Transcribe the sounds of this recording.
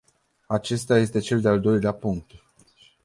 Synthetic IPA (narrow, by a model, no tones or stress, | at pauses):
at͡ʃe̞st̪eaje̞st̪e̞t͡ʃe̞ld̪eald̪o̞jleapuŋk̚t̪